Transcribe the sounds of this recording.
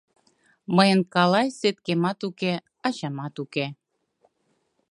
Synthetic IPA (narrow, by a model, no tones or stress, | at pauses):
məjənkɑlɑjset̪̚kemɑt̪uke | ɑʑɑmɑt̪uke